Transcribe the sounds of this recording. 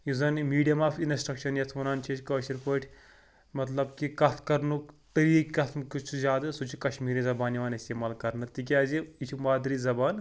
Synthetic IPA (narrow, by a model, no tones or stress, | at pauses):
jizɐnmiːɖijɐmaːfinɐsʈɾɐkʃɐnjɐt̪ʰʋɐnaːnt͡ʃʰet͡ʃʲkɐːʃiɾpəːʈʲʰ | mɐt̪lɐbkikɐt̪ʰkɐɾnukt̪ɐɾiːkʲkɐt̪ʰmkit͡ʃʰuzʲaːd̪ɨsut͡ʃʰukɐʃmiːɾizɐbaːniʋaːnisʲt̪iːmaːlkɐɾnɐt̪ik̬ʲaːziit͡ʃʰumaːd̪ɾiːzɐbaːn